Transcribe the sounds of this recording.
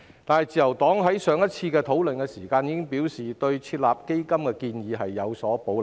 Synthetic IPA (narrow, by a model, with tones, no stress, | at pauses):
t̪aː˨nhɐ˨jt͡siː˨jɐ˨˩wt̪ɔː˨˥ŋɦɐ˨˥jsœː˨˧ŋjɐ˥t̚t͡sʰiː˧kɛː˧t̪ʰo˨˥wlɵ˨nkɛ˧siː˨˩kaː˧njiː˨˥kɪ˥ŋpiː˨˥wsiː˨t̪ɵ˧ɥt͡sʰiː˧t̚laː˨p̚ke˥jkɐ˥mkɛː˧kiː˧njiː˨˧ɦɐ˨jːɐ˨˧wsɔː˨˥po˨˥wl